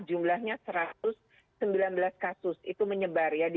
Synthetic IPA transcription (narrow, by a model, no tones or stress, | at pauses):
d͡ʒumlahɲasəɾat̪ʊsː | əmbilanbəlaskasʊsit̪uməɲəbarjad